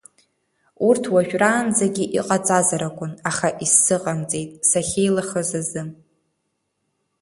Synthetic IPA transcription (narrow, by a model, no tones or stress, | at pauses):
urtʰwaʒᶣraːnd͡zaɡʲiʔiqʼat͡sʼazaɾakʷʼʊnaχaʔisːɨqʼamt͡sʼe̞jtʼsaχʲejlaχəzazɨm